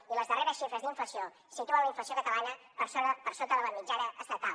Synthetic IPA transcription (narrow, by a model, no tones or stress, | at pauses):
iləzðəreɾəsʃifɾəzðiɱfəsio | sit̪uənləiɱfəsjokət̪əβaɲə | pəɾsoəpəɾsot̪əðəβənid͡ʒɛɾəʔəsət̪a